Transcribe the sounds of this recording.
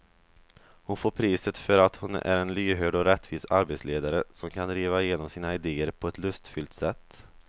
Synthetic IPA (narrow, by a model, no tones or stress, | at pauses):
hʊnfoːɾpʰɾiːsət̪fœɾat̪hʊnæ̰ɾɛnlyːɦøːɖɔɾɛt̪ːviːsaɾbet̪sleːd̪aɾəsɔmkʰanɾiːvaɪjeːnɔmsiːnaɪd̪eːəɾpʰɔɛt̪lɵst̪fʏlt̪sɛt̪ː